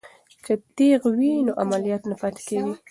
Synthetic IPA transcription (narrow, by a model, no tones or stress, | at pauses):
t͡ʃɪt̪eɣwinoʔamalijɑt̪napɑt̪ḁkawi